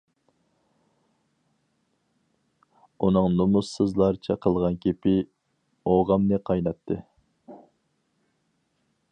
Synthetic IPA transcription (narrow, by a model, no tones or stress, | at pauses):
unɨŋnomusɨzlˠɑɾt͡ʃʰɛqʰəlˠʁɑnkʲʰepɪ | oʁɑmnɨqʰɑjnɑt̪ʰːɨ